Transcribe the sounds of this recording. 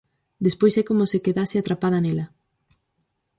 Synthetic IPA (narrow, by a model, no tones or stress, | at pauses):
d̪espojsɛkomosekeðaseat̪ɾapað̞ɐnelɐ